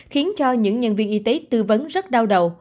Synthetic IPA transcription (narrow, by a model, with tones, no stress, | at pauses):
xi˨˦ənt͡ɕɔ˧ɲɨ̰˧˥ŋɲə˧˩nvi˧ənʔi˧t̪e˨˦t̪ɨ˧və˨˦nzə˦˥t̚ɗaː˧wɗə˨˩w